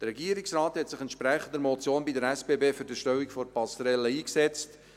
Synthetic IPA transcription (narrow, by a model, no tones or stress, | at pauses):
dərɾɛɡiəɾɪksrɑːthɛtsɪχɛnt̪ʃpɾɛχənd̪əɾmɔt͡sjoːnbidəɾɛspeːbeːfyɾdəʃtœwikfɔɾpɑsɾɛlːəiːksɛt͡st